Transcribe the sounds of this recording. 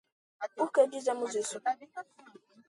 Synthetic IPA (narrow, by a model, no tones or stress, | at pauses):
ukedizamʊzesu